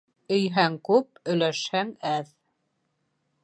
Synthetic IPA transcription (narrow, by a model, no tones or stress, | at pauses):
ɵ̆jɦæŋkʉp̚ɵ̆læʃhæŋæð